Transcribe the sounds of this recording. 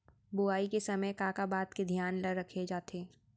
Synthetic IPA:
bʊaːikesɐməjkaːkabaːt̪ked̪ʱjaːnləɾːɐkʰed͡ʒaːt̪eː

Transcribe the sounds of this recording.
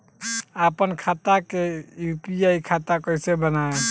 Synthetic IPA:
apənkʰat̪akejupiaikʰat̪akɔjsebənae

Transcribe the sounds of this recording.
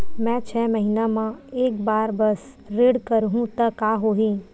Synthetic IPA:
mɛ̃t͡ʃʰɛːməɦiːnamãeːkbaːɾbəs | ɾeːɽkəɾɦũt̪əkaːɦoːɦĩ

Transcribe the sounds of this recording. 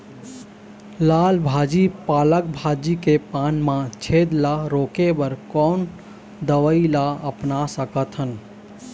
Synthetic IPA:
laːlbʱaːd͡ʒipaːlək̚bʱaːd͡ʒikepaːnmãt͡ʃʰeːd̪laɾoːkebəɾkɔːn | d̪əʋəilaəpnasəkət̪ɦən

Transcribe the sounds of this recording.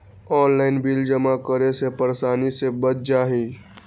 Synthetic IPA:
ɔːnlaːɪnbild͡ʒəmakəɾesepəɾesaːnisebət͡ʃ̚d͡ʒaːɦĩː

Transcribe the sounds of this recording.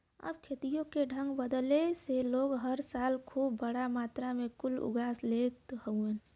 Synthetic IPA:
ə̰b̚kʰeːt̪ijõkeɖʱə̃ŋɡbəd̪leseloːɡɦəɾsaːlkʰuːbːəɽamaːt̪ɾamẽkʊlʊ̰ɡʱaːslet̪həuẽ

